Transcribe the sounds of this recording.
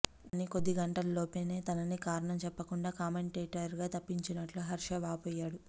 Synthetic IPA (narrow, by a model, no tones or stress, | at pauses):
ɐniko̞d̪ːiɡɐɳʈɐlɐloːpe̞ːne̞ːt̪ɐnɐnikaːɾɐɳɐmt͡ʃɛpːɐkuɳɖaːkaːmeɳʈeːʈɐɾɡaːt̪ɐpːiɲt͡ʃinɐʈluɦɐɾʂɐʋaːpɔːjːaːɽu